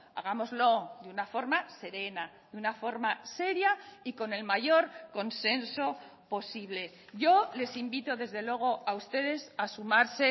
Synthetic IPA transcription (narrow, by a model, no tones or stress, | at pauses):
a̰ɣ̞amo̞zlo̞d̪unafo̞ɾmase̞ɾe̞na | ðunafo̞ɾmase̞ɾjaiko̞ne̞lmaʝo̞ɾko̞nse̞nso̞po̞siβle̞ | ʝo̞le̞simbit̪o̞ðe̞zðe̞lwe̞ɣ̞o̞aust̪e̞ðe̞sasumaɾse̞